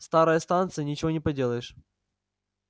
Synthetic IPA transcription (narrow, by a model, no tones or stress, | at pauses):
st̪aɾəjəst̪ant̪sɨjənʲɪt͡ɕɪvo̞nʲɪpɐdʲelˠəjɪʂ